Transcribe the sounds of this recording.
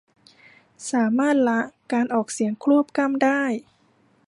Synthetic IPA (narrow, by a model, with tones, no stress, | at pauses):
saː˩˦maː˥˩t̪̚la˦˥ʔkaː˧nʔɔː˨˩k̚si˩˦əŋkʰɾu˥˩əp̚ka˧˥˩mdaː˥˩j